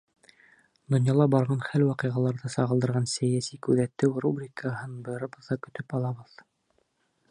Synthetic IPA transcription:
d̪ŏnjɑlˠɑbɑɾʁɑnχælwɑqɤʁɑlˠɑɾðɤsɑʁɤ̆d̪ɤ̆ɾʁɑnsæjæsikʉðæt̪ːɘwrubrʲikʰəɦɤnbɤ̆jɤ̆ɾɤ̆bɤ̆ðːɑkɵ̆t̪ɵpɑlˠɑβɤð

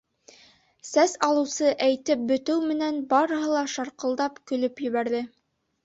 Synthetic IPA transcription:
sæsɑlˠɤ̆wsɤʔæjt̪ɘp̚bɵ̆t̪ɘwmɘ̆nænbɑɾɤ̆ɦɤlˠɑʃɑɾqɤ̆lˠd̪ɑpkɵ̆lɵpjɘ̆βæɾðɘ

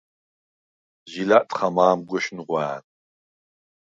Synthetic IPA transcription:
ʒilaːʔtʰʼχɐmaːmɡʷɔʃnʁʷɑan

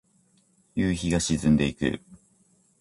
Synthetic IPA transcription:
jɯːçiɡaɕizɨ̃nd̪e̞ikɯ̰

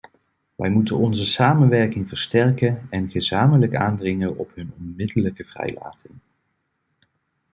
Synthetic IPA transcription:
ʋɛ̰jmutənɔnzəsaːmənʋɛɹkɪŋvəɹstɛɹkənɛnχəzaːmələka̰ːndrɪŋənɔpɦɵnɔnmɪdələkəv̥rɛ̰jla̰ːtʰɪŋ

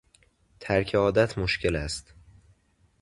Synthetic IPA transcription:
t̪ʰæɾcʰeɒːd̪æt̪ʰmoʃcʰe̞læst̪

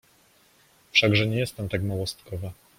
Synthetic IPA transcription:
fʂaɡʐɛɲɛjɛst̪ɛmt̪akmawɔst̪kʰɔva

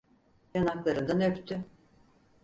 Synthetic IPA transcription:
janaklˠaɾɯnd̪anøpt̪ʰʏ

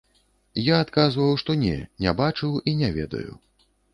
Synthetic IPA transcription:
jaːt̪kazvɐwʂt̪ɔnʲɛ̰nʲɛbat͡ʂɨwinʲɛvʲɛ̰d̪ɐ̰jṵ

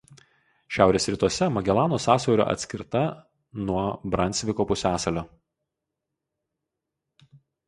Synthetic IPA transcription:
ʃʲæˑʊɾʲeːsɾʲɪt̪uɔsʲɛmɐɡʲɛlˠɑːnoːsɑːsɔʊɾʲo̰ːʔɐ̰t̪ʲsʲkʲɪɾt̪ɐ | nuɔbɾɐnʲsʲʋʲɪkoːpʊsʲæːsɐlʲoː

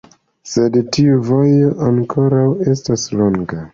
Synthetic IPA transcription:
sedtiuvojo̞ʔaŋkʰo̞ɾawe̞staslo̞ŋɡa

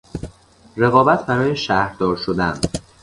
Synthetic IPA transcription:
re̞ɣɒːbæt̪ʰbæɾɒːjeʃæhɾd̪ɒːɾʃod̪æn

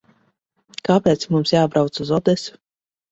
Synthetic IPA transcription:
kapɛːt̪smumsjaːbɾawt̪suzɔd̪ɛsʲu̥

